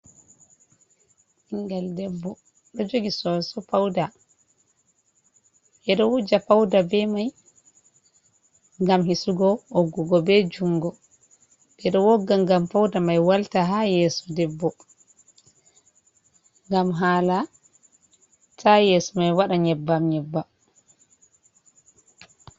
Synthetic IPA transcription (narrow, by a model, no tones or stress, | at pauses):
ʔiŋɡaldɛbːɔ | ɗɔd͡ʒoɡisɔsɔfawda | ʔɛɗɔwud͡ʒafawdabɛmaj | ŋɡamhisuɡɔoɡːuɡɔbɛd͡ʒuŋɡɔ | ɓɛɗɔwɔɡːaŋɡamfawdamajwaltaɦajɛːsɔdɛbːɔ | ŋɡamɦaːla | tʰajɛsɔmajwaɗaɲɛbːamɲɛbːa